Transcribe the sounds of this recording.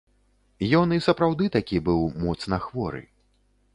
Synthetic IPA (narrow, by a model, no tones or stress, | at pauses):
jɔnisɐpɾawd̪ɨt̪akʲibɨwmɔt̪snɐxvɔɾɨ̰